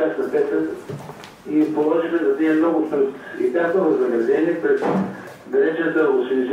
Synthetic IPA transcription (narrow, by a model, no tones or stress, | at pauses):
asɐvɛt̪ə | ipolˠɔʒixɛzɐd̪iɐmnɔɡʊt̪ɾut̪ḭt̪ʲat̪ovɐznɐɡɾɐd̪ɛnipɾɛt̪ | d̪ɐɾɛt͡ʃt̪əosilz